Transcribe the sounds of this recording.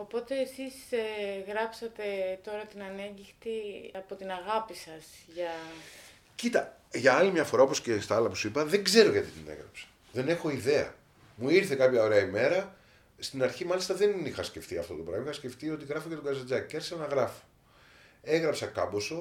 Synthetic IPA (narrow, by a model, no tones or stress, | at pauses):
opo̞t̪e̞ːsisɣɾɐpsɐt̪e̞t̪o̞ɾɐt̪inɐneɲɟixt̪iɐpo̞t̪inɐɣɐpisɐsʝɐ | cit̪ɐʝɐɐlimɲɐfo̞ɾɐopo̞scest̪ɐɐlɐpu̥suipɐðe̞ŋɡze̞ɾo̞ʝɐt̪it̪inḛɣɾɐ̰psɐ̥ | ðe̞ne̞xo̞iðe̞ɐ̰ | muiɾθe̞kɐpçɐo̞ɾe̞ɐime̞ɾɐ | st̪inɐɾçimɐlist̪ɐðe̞nixɐsce̞ft̪iɐft̪o̞t̪opɾɐ̰oixɐsce̞ft̪io̞t̪iɣɾɐfocet̪oɡɐzɐd͡zɐicɐɾçi̥sɐnɐɣɾɐfo̥ | e̞ɣɾɐpsɐkɐbo̞so